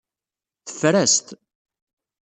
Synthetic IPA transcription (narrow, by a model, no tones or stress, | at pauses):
θə̥fɾæst̪